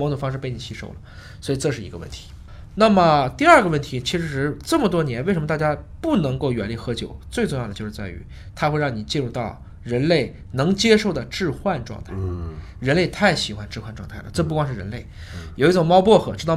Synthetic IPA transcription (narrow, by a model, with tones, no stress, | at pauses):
ɔ˧˥t̪o˨˩fɑ˥ŋʂɻ̩˥˧pe˥˩ɪni˨˩ɕʰi˧˥ʂo˥˩ʊlə˩ | swɔ˧˥i˨˩ʈ͡ʂɤ˥˧ʂɻ̩˥˩ḭ˧˥ɡə˧wə̰˥˩nt̪ʰi̥˧˥ | na˥˩mə˨˩t̪i˥˧ɐ˞˥˩ɡə˩wə˥˩nt̪ʰi˧˥t͡ɕʰi˧˥ʂɻ̩˧˥ʈ͡ʂɤ˥˩mə˩t̪wɔ˥njɛ˧˥nwe˥˩ʂə˧˥mə˧t̪a˥˩t͡ɕja˥pu˥˩nɤ˧˥ŋko˥˩ʊɥɛ˧˥nli˧˥˩xɤ˧˥t͡ɕjo̰˨˩ʊt͡swe˥˧ɪʈ͡ʂʊ˥˧ŋjɑ˥˩d̪ət͡ɕjo˥˧ʊʂ̩ɻ̩˥˧t͡sa˥˩ɪy̰˧˥ | t̪ʰa˥xwe˥˧ɪɻɑ˥˩ŋni˨˩t͡ɕi˥˧nɻu˥˧t̪ɑ˥˩ʊ | ɻə˧˥nle˥˩ɪ | nɤ˧˥ŋt͡ɕjɛ˥ʂo˥˩ʊd̪ə˩ʈ͡ʂɻ̩˥˧xwa˥˧nʈ͡ʂwɑ̰˧ŋt̪ʰa˥˩ɪ | ɻə˧˥nle˥˧ɪt̪ʰa˥˩ɪɕi˨˩xwa˧˥nʈ͡ʂɻ̩˥˩˧xwa˥˧nʈ͡ʂwɑ˥˧ŋt̪ʰa˥˩ɪlə˩ʈ͡ʂɤ˥˧p̬u˥˩kwɑ˥ŋʂɻ̩˥˩ɻə̰˧˥nle˥˩ɪ | jo˨˩ʊi˥˩ʈ͡ʂo˨˩ŋmɑ˥ʊpwɔ˥˩xɤ˧˩ʈ͡ʂɻ̩˥t̪ɑ˥˩˨